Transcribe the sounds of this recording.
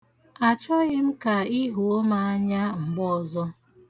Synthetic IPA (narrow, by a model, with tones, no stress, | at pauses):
a˨t͡ʃɔ˦ɣɪ˦m̩˦ka˨i˦ɦo˨o˦ma˦a˦ɲa˦ŋ͡m̩˨ɡ͡bɔ˦˨zɔ˦